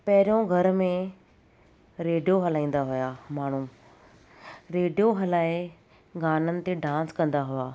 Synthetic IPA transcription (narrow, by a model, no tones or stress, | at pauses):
pɐɦɪɾijõɡʱɐɾmẽ | ɾeːɖijoɦɐlaːĩːn̆d̪aɦʊjaːmaːɳ̤ũː | ɾeːɖijoɦɐlaːe | ɡaːnənɪ̆t̪eɖãːnskɐ̃nd̪aɦʊaː